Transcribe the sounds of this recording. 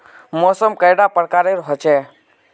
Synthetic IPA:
moːsəmkəɪɽapəɽkaɾeɾɦɔt͡ʃe

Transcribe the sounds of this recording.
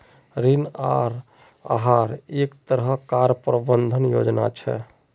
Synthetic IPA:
ɾinaɾ | a̰ɦaɾekt̪əɾɦəkaɾpɾəbənd̪ʱənjo̰d͡ʒna̰t͡ʃʰɛ̰

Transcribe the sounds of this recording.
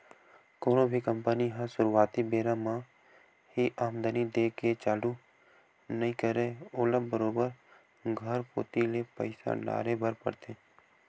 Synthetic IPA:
koːnõbʱikə̃mpəniɦə̃sʊɾuaːt̪ibeːɾãmã | hiʔaːmd̪ənid̪eːket͡ʃaːlu | nəɦĩkəɾeːoːlə̃mbəɾoːbəɾ | ɡʱəɾpo̰ːt̪ilepə̰ɪsa̰la̰ːɾebəɾpə̰ɾt̪ẽː

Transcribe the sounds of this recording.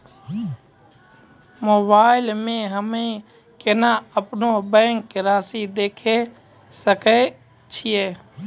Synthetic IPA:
moːbaːɪlmẽɦəmẽ | kɪnaəpnobɛ̃ːŋkɾaːsid̪eːkʰe | səke | t͡ʃʰɪjeː

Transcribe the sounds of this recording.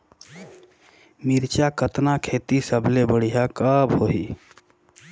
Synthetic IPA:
miɾt͡ʃakət̪nakʰeːt̪isəbʱlebəɽ̤ijakəbɦoɦi

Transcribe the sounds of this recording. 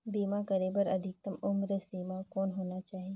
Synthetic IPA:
biːmakɐɾeːbəɾɐd̪ʱɪk̚t̪ɐmʊmɾəsiːmakɔːnɦoːnat͡ʃaːɦie

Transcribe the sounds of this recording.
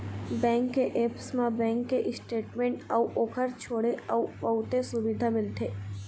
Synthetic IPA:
bɛ̃ːŋkːeʔeːpsmãbɛ̃ːŋkːeʔɪsʈeːʈmẽːɳʈɔuʔoːkʰəɾt͡ʃʰoːɽeɔupəʊt̪esʊʋid̪ʱamɪlt̪ʰeː

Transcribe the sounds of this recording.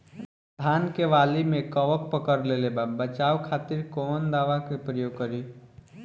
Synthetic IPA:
d̪ʱankeʋalimẽkəʋək̚pəkəɾlelebabət͡ʃaukʰat̪iɾkɔnd̪aʋakepɾəjoːɡ̚kəɾi

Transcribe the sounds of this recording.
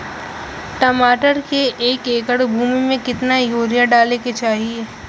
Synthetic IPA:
ʈɔmaːʈəɾkeʔeːkeːkəɽbʱuːmimẽkɪt̪najoːɾjãɖaːleket͡ʃaːɦieː

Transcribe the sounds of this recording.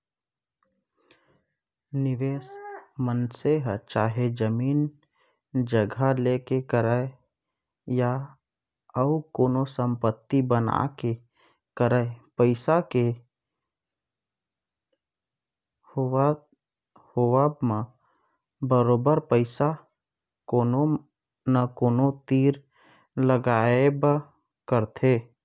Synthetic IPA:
nɪʋeːsmənseɦt͡ʃaːɦed͡ʒəmiːn | d͡ʒəɡʱalekekəɾae | ja | əʊkoːnosə̃mpət̪ːibəna̰ke | kəɾəepəɪsake | ho | howamã | bəɾoːbəɾpəɪsa | koːno | nakoːnot̪iːɾ | ləɡaːeb | kəɾt̪ʰeː

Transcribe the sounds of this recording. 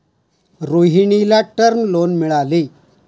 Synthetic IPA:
ɾoɦiɳilaʈəɾnlonmiɭale

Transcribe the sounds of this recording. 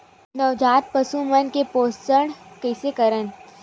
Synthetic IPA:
nɐʋd͡ʒaːt̪̚pəsumənkepoːstəɳkɛːsekɐɾən

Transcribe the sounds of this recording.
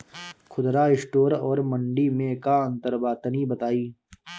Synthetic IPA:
kʰʊd̪ɾaɪsʈoːɾɔːɾmə̃ɳɖimẽkaə̃nt̪əɾbaːt̪ənibət̪aːiː

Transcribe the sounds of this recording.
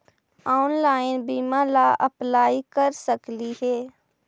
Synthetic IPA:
aːʊnlaːɪnbiːmalaʔəplaːikəɾsəkliɦɛː

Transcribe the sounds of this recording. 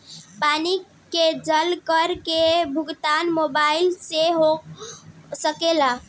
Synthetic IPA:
pani | ked͡ʒəlkəɾkebʱuɡt̪anmobailseɦo | səkela

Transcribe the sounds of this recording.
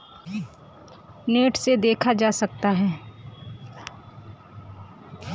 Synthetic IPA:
neːʈsed̪eːkʰad͡ʒaːsɐk̚t̪aɦɛː

